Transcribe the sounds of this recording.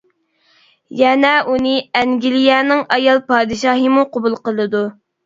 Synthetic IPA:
jɛnɛʔunɨɛŋɡʲilijɛnɪŋɑjɑlˠpɑːd̪ɨʃɑːɦəmuqʰobulˠqəlˠɨd̪u

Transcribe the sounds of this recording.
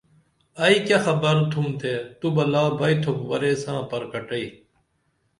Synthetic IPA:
ɐiːkjaxɐbɐɾt̪ʰumt̪ʰeːt̪ubɐlaːbɐit̪ʰokʋɐɾeːsãːpɐɾkɐʈɐiː

